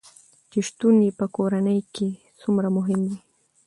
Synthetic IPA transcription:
t͡ʃeʃt̪unipəkoɾanəjke | sumɾamʊɦɪmd̪i

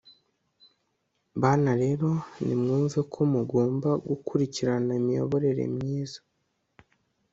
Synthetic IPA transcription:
βanaɾe̞ːɾo̞nḭmŋuːɱvekʰo̞muɡo̞ːmbaɡukʰuɾiciɾanaimijo̞̰βo̞ɾe̞ɾe̞̰mɲiːzḁ

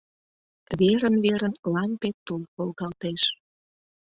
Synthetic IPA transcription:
βeɾənβeɾənlɑmpet̪ulkolɣɑlt̪eʃ

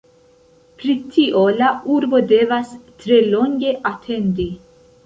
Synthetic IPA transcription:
pɾit̪ʰiʔolaʔuɾbo̞d̪evast̪ɾeloŋɡe̞ʔat̪ʰend̪i

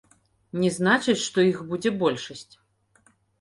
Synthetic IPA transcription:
nʲɛznat͡ʂɨt͡sʲʂt̪ɔixbud͡zʲɛbɔlʲʂɐsʲt͡sʲ

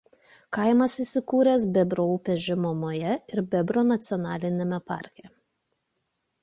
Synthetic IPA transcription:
kɐˑɪmɐsisʲɪkuːɾʲɛˑsbʲɛbɾoːuːpʲɛʒʲɪmomoːjɛɪɾbʲɛbɾoːnɐt̪sʲɪɔnɑːlʲɪnʲemʲɛpɑ̰ˑɾʲkʲɛ

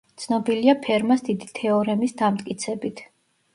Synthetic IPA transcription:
t̪sʰnɔbiliapʰɛɾmasd̪id̪it̪ʰɛɔɾɛmisd̪amt̪ʼkʼit̪sʰɛbit̪ʰ

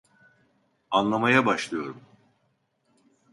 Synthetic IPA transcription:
anlˠamajabaʃlˠɯjo̞̰ɾum

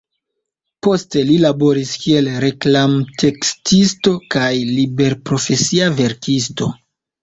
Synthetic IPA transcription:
po̞ste̞lilabo̞ɾiskie̞lɾe̞klamtʰe̞kstisto̞kajlibe̞ɾpɾo̞fe̞siave̞ɾkʰisto̞

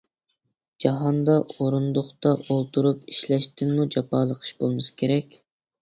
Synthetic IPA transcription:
d͡ʒɑɦɑnd̪ɑoɾund̪ʊχt̪ɑʔolˠt̪uɾupiʃlɛʃt̪ɪmmud͡ʒɑpɑːlˠəqʰə̥ʃbolˠmɨskʲʰeɾɛkʲ

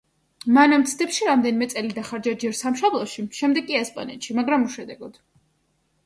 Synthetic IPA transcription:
manamt̪sʰd̪ɛpʃiɾamd̪ɛnimɛt̪sʼɛlid̪aχaɾd͡ʒad͡ʒɛɾsamʃɔblˠɔʃiʃɛmd̪ɛɡʼiɛspʼa̰nɛt̪ʃimaɡɾamuʃɛd̪ɛɡɔd̪̥

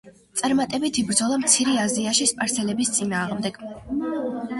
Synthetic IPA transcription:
t̪sʼaɾmat̪ʼɛbit̪ʰibɾd̪zɔlˠamt̪sʰiɾiaziaʃispʼaɾsɛlɛbist̪sʼinaːʁmd̪ɛɡ̥

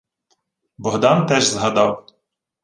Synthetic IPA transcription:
bɔɦd̪ɑnt̪ɛʒzɦɐd̪ɑw

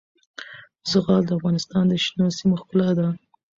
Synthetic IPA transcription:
zəɣɑld̪əafɣɑnɪst̪ɑnd̪əʃnosimoxpəlad̪a

